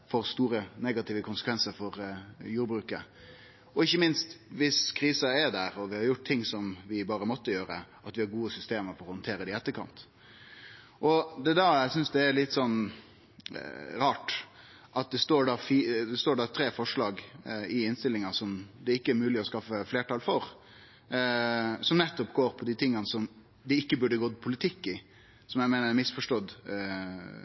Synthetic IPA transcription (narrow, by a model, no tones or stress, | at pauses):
fɔɾst̪uːɾənɛɡɑt̪ɪːʋəkʰʊnsəkʋɛnsəɾfɔɾjuːɾbɾʉːkə̰ | ɔɪçːəmɪnst̪ʋɪskʰɾiːsɑɛɖ̪æɾɔʋɪhɑɾjʊʈ̚t̪ʰɪŋːsɔmʋɪbɑːɾəmɔt̪ːəjøːɾə̰ʔɑt̪ʋɪhɑɾɡuːəsʏst̪eːməɾfɔɾɔhɔnt̪ʰeːɾəd̪ɛɪɛt̪ːəɾkʰɑ̰nt̪ | ʔɔd̪ɛd̪æɾæɪsʏnsd̪ɛæɾlɪt̪ːsɔn | ɾɑːʈ | ʔɑt̪̚d̪ɛst̪oːɖɑːfiːd̪ɛst̪oːɖɑːt̪ʰɾeːfɔʂlɑːɡɪɪnst̪ɪlːɪŋɑsɔmd̪ɛɪkːəæɾmʉːlɪɔskɑfəfleːʈɑːlfɔɾ | sɔmnɛt̪ːɔpɡoːɾpʰɔd̪it̪ʰɪŋːɑnəsɔm | d̪ɪɪkːəbʉɖəɡɔːd̪pʰʊlɪt̪ʰɪkːɪ | sɔmjæɪmæɪnəɾɛmɪsfɔʂʈɔd̪